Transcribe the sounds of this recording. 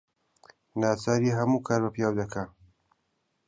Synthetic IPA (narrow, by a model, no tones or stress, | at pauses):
naːt͡saːɾiːɦɐmuːkʰaːɾbɐpijaːwd̪ɐkʰa